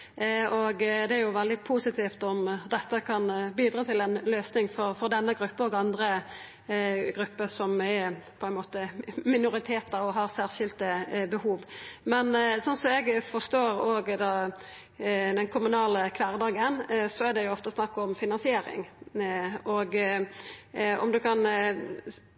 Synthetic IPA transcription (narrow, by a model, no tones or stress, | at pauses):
ɔɡd̪ɛæɾjʊʋɛld̪ɪpʰuːsɪt̪ʰiːft̪ɔmd̪ɛt̪ːəkʰɑnbiːd̪ɾɑːt̪ʰɪlɛnløːsnɪŋfɔɾfɔɾd̪ɛnːəɡɾʉpːəɔɡɑnd̪ɾə | ɡɾʉpːəsɔmæɾpʰɔɛnmoːt̪əmɪnʊɾɪt̪ʰeːt̪əʁɔɦɑʁsæːʁʃɪlt̪əbəhuːʋmɛnsɔnsɔmɛɡfɔst̪oːɾoːɡd̪ɑː | d̪ɛnkʰʊmʉnɑːləkʰʋæːʁd̪ɑːɡənsɔæd̪ɛjʊɔft̪əsnɑkːɔmfɪnɑnsɪeːɾɪ̰ŋ | ɔɡ | ɔ̰md̪ʉkʰɑn